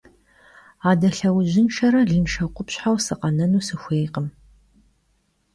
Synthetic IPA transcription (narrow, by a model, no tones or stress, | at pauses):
aːdɐɬɐwʑɪnʃɐɾɐɮɨnʃɐqʷʼʊpɕħawsɨqɐnɐnuːsɨxʷeːjqəm